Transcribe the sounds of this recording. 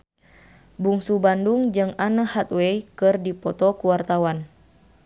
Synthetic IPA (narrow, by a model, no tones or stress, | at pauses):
buŋsubanduŋd͡ʒɨŋanəhat̪̚wejkɨrdipɔt̪ɔkuwart̪awan